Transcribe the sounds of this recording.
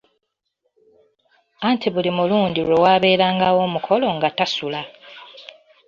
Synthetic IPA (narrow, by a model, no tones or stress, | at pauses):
antʰiβulimuluːndiɾwewaːβe̞ːɾaːŋɡawo̞ːmukʰo̞lo̞ŋɡatasula